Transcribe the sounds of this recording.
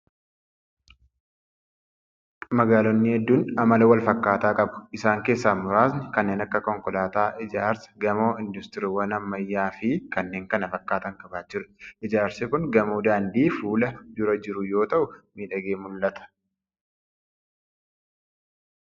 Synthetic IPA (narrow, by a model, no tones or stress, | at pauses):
mɐɡaːlɔnːɪhɛd̪ːuːnɐmɐlɐwɐlfɐkːaːt̪aːkʼɐbʊ̥ʔɪsaːŋke̞ːsːaːmʊɾaːsnɪkɐnːe̞ːnɐkːɐkɔŋkɔlaːt̪aːʔɪd͡ʒaːɾsɐ̥ɡɐmo̞ːɪnd̪ʊst̪ɪɾɪwɐnɐmːɐjːaːfɪkɐnːe̞ːŋkɐnɐfɐkːaːt̪ɐŋkʼɐbaːd͡ʒɪɾt̪ʔɪd͡ʒaːɾsɪkʊŋɡɐmoːd̪aːnd̪iːfuːlɐd̪ʊɾɐd͡ʒɪɾʊjo̞ːt̪ɐʔʊmiːᶑɐɡeːmʊlːɐt̪ɐ̥